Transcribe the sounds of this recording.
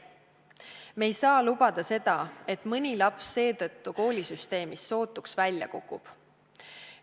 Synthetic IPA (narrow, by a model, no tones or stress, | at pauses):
me̞jsɑːlubɑd̪̥ɑse̞d̪ɑe̞t̪mɤnʲilɑpsːe̞ːt̪ɤt̪ːuko̞ːlʲisyst̪e̞ːmisːo̞ːt̪ːˑuksvælʲjɑ̰kukːˑub̥